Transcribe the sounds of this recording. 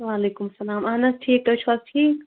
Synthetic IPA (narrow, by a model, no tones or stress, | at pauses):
ʋaːleːkumɐsɐlaːmaːnɐsʈʰiek̚ʈ̪ot͡ʃʰɐzʈʰiːk